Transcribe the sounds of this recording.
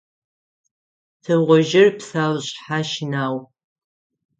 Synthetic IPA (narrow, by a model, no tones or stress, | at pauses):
tʰɐwʁʷɔʒɪrpsaːwɕʼħaʃɪnaːw